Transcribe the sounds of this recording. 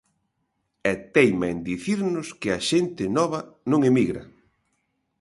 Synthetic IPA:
ɛt̪ejmaend̪iθiɾnʊskɪaʃent̪ɪnɔβɐnõŋemiɣɾɐ̰

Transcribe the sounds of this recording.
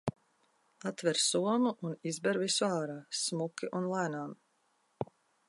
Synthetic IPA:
at̪vɛɾsuɔmuʔunizbɛɾvisuaːɾaːsmukʲiʔunlˠæːnaːm

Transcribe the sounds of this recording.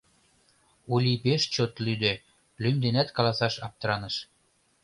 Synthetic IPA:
ulʲipeʃt͡ɕot̪lyd̪e | lymd̪enæt̪kɑlɑsɑʃɑp̚t̪ɾɑnəʃ

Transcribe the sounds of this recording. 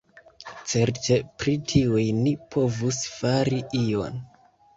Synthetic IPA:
t͡se̞ɾte̞pɾitʰiujnipʰo̞vusfaɾiʔio̞̰n

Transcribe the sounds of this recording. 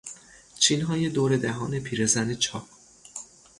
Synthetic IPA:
t͡ʃʰiːnɦɒːje̞d̪oːɾe̞d̪æɦɒːne̞pʰiːɾe̞zæne̞t͡ʃʰɒː

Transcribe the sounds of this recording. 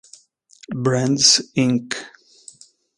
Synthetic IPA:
bɹæ̃ndsɪ̃ŋk

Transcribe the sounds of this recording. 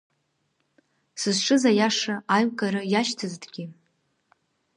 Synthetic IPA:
sɨzʂʰɨzajaʂaajkʼaɾɨjaʃtʰɨzdɡʲɪ

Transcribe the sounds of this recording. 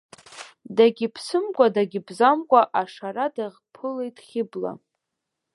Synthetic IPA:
daɡʲɪpʰsɨmkʷʼadaɡʲɪbzamkʷʼaʔaʂaɾadaʁpʰɨlejtʼχʲɪbla̰

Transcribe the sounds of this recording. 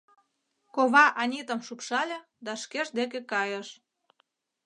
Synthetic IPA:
koβɑʔɑnʲit̪ə̆mʃupʃɑlʲĕ | d̪ɑʃkeʒd̪ek̬ekɑjə̆ʃ

